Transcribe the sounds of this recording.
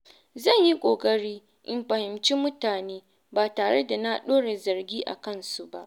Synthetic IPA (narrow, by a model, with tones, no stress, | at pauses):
zɐ˦˨ɲji˦kʷʼoː˨kʼɐ˦ɽiː˦ | ʔɪ˨mɸɐ˨hɪ˨mt͡ʃi˦mʊ˦taː˨neː˦ | baː˨taː˨ɽe˦da˨na˦ɗoː˦ɽe˨zɐ˨rɡʲiː˦ʔa̰˨kɐ˦˨nsu˨ba˦ʔ